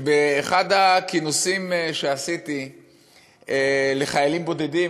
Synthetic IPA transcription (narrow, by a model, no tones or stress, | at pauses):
beːχad̪akinosimʃe̞asit̪i | ele̞χajalimbo̞d̪e̞di